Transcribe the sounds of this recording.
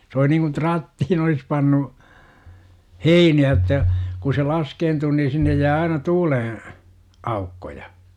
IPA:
s ol̆i niŋkun trɑtːihin olis pɑnːu heiniæ jə̆tːɑ ku se lɑskeːntuː niː sinːej jæː ɑinɑ tuːlẽː ɑukːojɑ

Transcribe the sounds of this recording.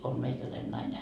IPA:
om meikælæin nɑine

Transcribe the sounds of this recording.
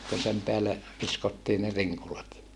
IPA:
kun sem peælːe ʋiskotːiː ne riŋkulɑt

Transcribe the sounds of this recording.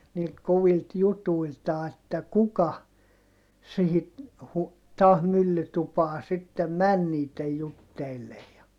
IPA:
niːlt koʋilt jutuiltɑː etːæ kukɑ sihi hu tɑːh mylːytupɑː sitːem mæn niːtˑej jutːeilːej jɑ

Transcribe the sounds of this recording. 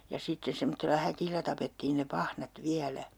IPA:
jɑ sitːe semotːelːɑ hækilːæ tɑpetːiːn ne pɑhnɑt ʋiælæ

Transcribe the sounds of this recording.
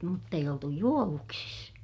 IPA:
mutː eij oltu juoʋuksis

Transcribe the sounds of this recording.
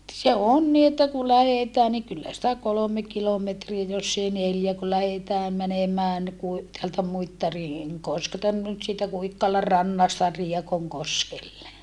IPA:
se on ni etːæ ku læhetæː ni kylːæ sĭtæ kolome kilometriæ josː ei neljæ ku læhetæː mænemæːn ni kui teæltæ muitːɑriŋ koskeltɑ nyt siːtæ kuikːɑlɑ rɑnːɑstɑ riekoŋkoskelːe

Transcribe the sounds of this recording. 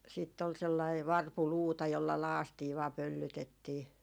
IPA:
siːtː ol selːɑi ʋɑrpuluːtɑ jolːɑ lɑːstiː ʋɑː pølːytetːiː

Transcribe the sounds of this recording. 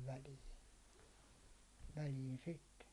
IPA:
ʋæliːn̞ ʋæliːn sitːe

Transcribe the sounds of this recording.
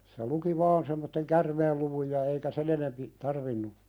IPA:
se luki ʋɑːn semːotːeŋ kærmeːlːuʋuj jɑ eikæ sen enempi tɑrʋinːu

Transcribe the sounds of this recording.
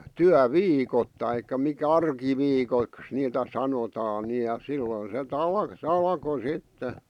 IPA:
tyæʋiːkot tɑikːɑ mikæ ɑrkiʋiːkoĭks niːtæ sɑnotɑːn ni jɑ silːoĭn set ɑl sĕ ɑlɑ̆ko sitːe

